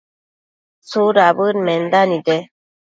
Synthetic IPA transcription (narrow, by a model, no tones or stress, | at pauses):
suɾabɯnmɛnd̪anid̪e